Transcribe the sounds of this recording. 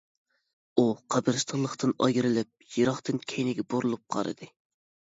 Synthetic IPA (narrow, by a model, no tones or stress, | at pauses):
uqʰæbɨɾst̪ʰəʁlˠəχt̪ʰɨnɑ̰ɡʲiɾɪlɪp̚jiɾɑχt̪ɨnkʲʰɛjnɪɡʲɛboɾulˠup̚qʰɑ̰ɾɨ̰d̪ɨ